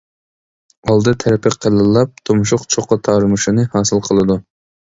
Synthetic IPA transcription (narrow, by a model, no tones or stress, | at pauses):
ɑlˠd̪ɨt̪ʰɛɾɛpʰɪqʰːəlˠɨlˠːɑp̚t̪ʰomʃʊqt͡ʃʰoqːɑt̪ʰɑɾmuʃɨnɨhɑːsɨlˠqʰəlˠɨd̪u